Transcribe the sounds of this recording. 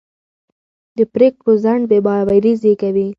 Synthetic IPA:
d̪əpɾek̚pəzaɳɖ̚bebɑwaɾizekawi

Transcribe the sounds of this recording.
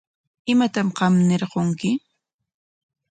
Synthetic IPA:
ɪmat̪amɢɑmnɪɾɢoŋkɪ

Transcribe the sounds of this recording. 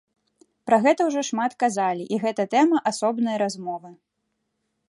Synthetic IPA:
pɾɐɣɛt̪ɐwʐɔʂmat̪kazalʲiʔiɣɛt̪ɐt̪ɛmɐʔasɔbnɐjɐɾazmɔvɨ

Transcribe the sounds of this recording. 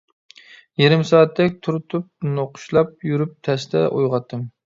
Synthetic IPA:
jeɾɪmsɑːɑt̪ʰːɛk̚ʲt̪ʰuɾɨt̪ʰup̚noqʰʊ̥ʃlˠɑp̚jyɾyp̚t̪ʰɛst̪ɛ̰ʔojʁɑt̪ʰːɨm

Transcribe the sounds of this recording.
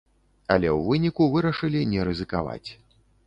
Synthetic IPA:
ɐ̰lʲɛwvɨnʲikuvɨɾɐʂɨlʲinʲɛɾɨzɨkava̰t͡sʲ

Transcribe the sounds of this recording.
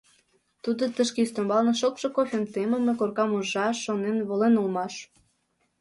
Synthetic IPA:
t̪ud̪ot̪əʃkest̪ombɑlnɤ̆ʃokʃŏkofʲemt̪eməmekorkɑmuʒːɑʃonenβolenulmɑʃ

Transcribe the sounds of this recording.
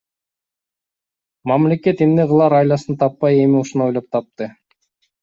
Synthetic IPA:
mɑmle̞ke̞t̪emne̞ʁɯlˠɑɾɑjlɑsɯnt̪ʰɑpːɑje̞miuʃuno̞jlo̞p̚t̪ʰɑp̚t̪ɯ

